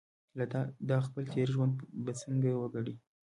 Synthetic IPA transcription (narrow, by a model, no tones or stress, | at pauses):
lad̪ɑxpəlt̪ʰeɾʒwand̪̚bat͡səŋɡajwəɡaɽi